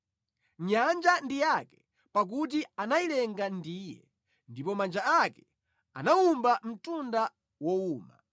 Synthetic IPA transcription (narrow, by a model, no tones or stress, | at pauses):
ɲand͡ʒandijakɛ̥ | pak̬ut̬ianailɛŋɡandiːjɛ̰ | ndipɔmand͡ʒaakɛ̥ | a̰naumbam̩tunda | wɔuːma̰